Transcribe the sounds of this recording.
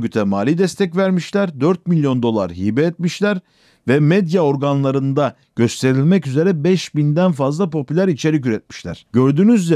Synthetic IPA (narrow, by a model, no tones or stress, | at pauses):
ɟyt̪ʰɛmaːlʲid̪ɛst̪ʰɛcvæɾmiʃlʲæɾd̪øɾt̪̚milʲjo̞nd̪o̞lˠa̰ɾɦiːbɛːt̪̚miʃlʲæɾ | vɛmɛd̪jao̞ɾɡanlˠaɾɯnd̪a | ɟ̥ø̞st̪ʰe̞ɾilʲmɛcyze̞ɾɛbɛʃbind̪ænfazlˠapʰo̞pylʲæɾit͡ʃʰe̞ɾicyɾɛt̪̚mi̥ʃlʲæ̰ɾ̥ɟø̞ɾd̪yːnyzlʲɛ